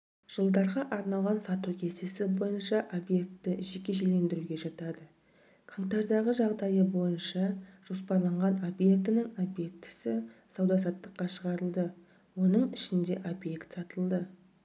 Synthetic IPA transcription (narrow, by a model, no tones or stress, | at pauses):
ʒ̥əlˠd̪ɑɾʁɑʔɑɾnɑlˠʁɑnsɑt̪ukʲʰe̞se̞sɪbo̞jənʃɑʔo̞bje̞k̚t̪ːɪʒe̞kʲe̞ʒele̞nd̪ɪɾuɡʲe̞ʒɑt̪ɑd̪ə | qʰɑɴt̪ɑɾd̪ɑʁəʒɑʁd̪ɑjəbo̞jənʃɑʒ̥o̞spɑɾlˠɑɴʁɑno̞bje̞k̚t̪ɪnɪŋo̞bje̞k̚t̪ɪ̥sɪsɑwd̪ɑs̬ɑt̪ːəqːɑʃəʁɑɾəlˠd̪ə | wo̞nəɴɪʃɪnd̪e̞ʔo̞bje̞kt̪sɑt̪əlˠd̪ə